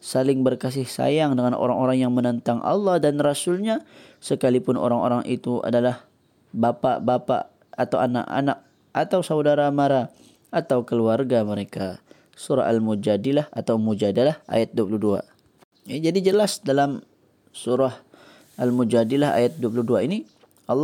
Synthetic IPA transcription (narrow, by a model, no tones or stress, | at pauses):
salɪŋbərkas̬ɪhsa̰jaŋdəŋanʔo̰ɾaŋoɾaŋjaŋmənənt̪aŋʔɑ̰lˠˤːɑhdanrasʊlɲasəkalipʊno̰ɾaŋo̰ɾaŋʔit̪ua̰dalah | bapa̰ʔbapa̰ | at̪awana̰ʔa̰nak̚ | ʔat̪awsawdaɾamaɾa | at̪awkəluarɡaməɾeka | suɾa̰halmud͡ʒadilahat̪awmud͡ʒadalahʔa̰jat̪̚duap̬uluhdua̰ | jad͡ʒadid͡ʒəlasdalam | suɾah | almud͡ʒadilaa̰jat̪̚duwap̬uluhduaini | ʔɑlː